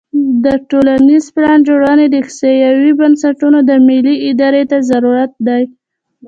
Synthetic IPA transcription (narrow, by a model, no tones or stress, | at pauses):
d̪əʈolanizplɑnd͡ʒoɽɑned̪əxsejawibansaʈunod̪əmiliɪd̪ɑɾet̪azaɾuɾat̪̚d̪aj